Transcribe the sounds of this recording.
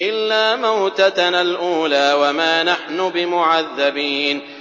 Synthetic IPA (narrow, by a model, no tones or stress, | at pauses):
ʔɪlːaːmawt̪analʔuːlaːwamaːnaħnʊbɪmʊʕaðːabiːn